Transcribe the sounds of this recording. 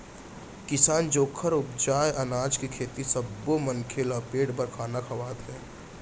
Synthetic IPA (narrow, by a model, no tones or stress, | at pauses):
kɪsaːnd͡ʒoːkʰəɾʊpd͡ʒaːjʔɐnaːd͡ʒkikʰeːt̪isɐbːomənkʰelapeːɽbəɾkʰaːnakʰɐʋaːt̪ɦɛ̃ː